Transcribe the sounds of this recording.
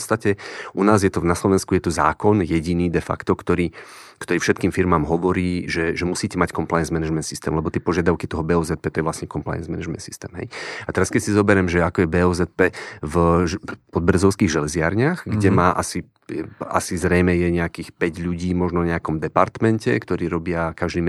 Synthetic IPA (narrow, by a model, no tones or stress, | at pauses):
ptt͡sst̪acɛʔunaːzjɛt̪ɔnaslɔʋɛnskujɛt̪ɔza̰ːkɔnjɛɟiniːd̪ɛfa̰kt̪ɔkt̪ɔɾiː | kt̪ɔɾiːfʃɛt̪kiːmfiɾmaːmɦɔʋɔɾiːʒɛʒɛmusiːcɛmackɔmplajɛnzmɛnɛʒmɛnsist̪ɛ̰ːmlɛbɔt̪ɪɛpɔʒɪad̪aʊkit̪ɔɦɔbɛːɔːzɛt̪̚pɛːt̪ɔjɛʋlasɲɛkɔmpla̰jɛnzmɛnɛʒmɛ̰nt̪si̥st̪ɛ̰ːmɦɛ̰jat̪ɛɾaskɛcsizɔbɛɾɛmʒɛakɔjɛbɛːɔzɛt̪̚pɛv | pɔd̪̚br̩zɔʊskiːɣʒɛlɛzɪa̰ɾɲaxɡɟɛmaːʔasi | a̰sizɾɛjmɛjɛɲɛakiːxpɛɟʎuɟiːmɔʒnɔɲɛakɔmd̪ɛpaɾt̪mɛncɛ̰kt̪ɔɾiːɾɔbɪakaʒd̪iːm